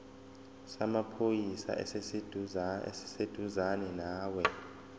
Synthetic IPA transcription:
samapʰojisa̰ʔɛ̰sesed̰ʱsi̥sed̥ʱuzanɛnaːwɛ

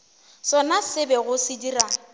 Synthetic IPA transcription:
sɔnasɪbɛɣʊsɪdira

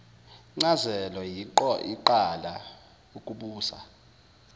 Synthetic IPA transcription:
ŋ͡ǀazɛlɔjiiǃala | ukʼuɓuːsa̰

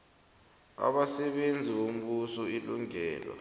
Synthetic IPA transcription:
a̰ɓasɛɓend͡zʱiom̩ɓusɔiluŋɛːla̰

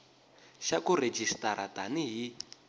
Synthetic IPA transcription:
ʃakuɾed͡ʒʱistʼaɾa̰taniɦi

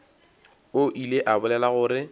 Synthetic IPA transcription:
oʔileʔabʊlɛlaɣʊːɾɪ

